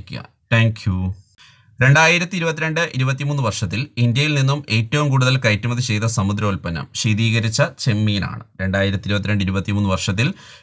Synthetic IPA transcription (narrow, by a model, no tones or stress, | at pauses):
kʲːḭjɐ̰ | t̪ʰaːŋkʰju | ɾe̞ɳɖaːjiɾɐt̪ːiɾubɐt̪ːiɾe̞ɳɖɨʔiɾubɐt̪̬ːimuːnːɨʋɐrʂɐt̪ːilind̪jɐjilninːume̞ːtːɐʋumkuːɽuðɐlkɐjtːumɐðit͡ɕe̞jt̪ːɐsɐmud̪ɾɐulpɐnɐ̰mɕeːðiːɣɐɾit͡ɕːɐt͡ɕe̞mːiːna̰ːɳɨ̰ɾe̞ɳɖaːjiɾɐt̪ːiɾubɐt̪ːiɾeɳɖiɾubɐt̪ːimuːnːɨʋɐrʂɐt̪ːil